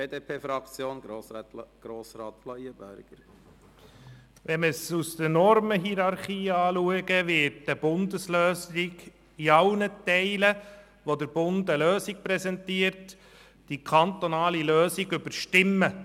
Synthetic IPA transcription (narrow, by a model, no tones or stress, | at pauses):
eːdeːpʰeːfɾɑkt͡sjoːn | ɡ̥ɾoːsɾɑːt̪flɔiəbøɾɡ̥əɾ | ʋɛnməsust̪ənɔɾməɦiɾɑɾχiːɑːluəɡəʋɪtdəbʊndəsløːsɪɡ | iɑʊnətɛɪlə | ʋodəɾb̥ʊndəløːsik̚pɾɛsɛntiəɾt | d̥ikʰɑnt̪onɑːliløːsiɡʏbəɾʃtɪmːə